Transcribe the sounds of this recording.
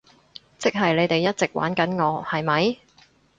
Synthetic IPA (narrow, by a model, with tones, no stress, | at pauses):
t͡sɪ˥k̚ɦɐ˨jle˨˧jt̪e˨jːɐ˥t̚t͡sɪ˨k̚wʔa̰ː˨˥nkɐ˨˥nŋɔː˨˧hɐ˨jmɐ˨˧j